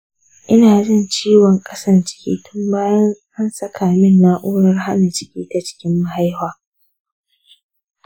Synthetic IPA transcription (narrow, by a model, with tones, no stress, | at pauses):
ʔɪ˦naː˨zɪ˦˨nt͡ʃiː˦wɔ˨ŋkʼɐ˦sɐ˦rt͡ʃɪ̥˦kʲḭː˦tʊ˦mbaː˦jɐ˦nʔa˦nsɐ˦kʰaː˨mɪ˦nːaː˦ʔoː˦ɽɐ˦rɦa˦na˨t͡ʃɪ̥˦kʲiː˦ta˨t͡ʃɪ̥˦kʲɪ˦mːa˦ɦa˦jhaː˨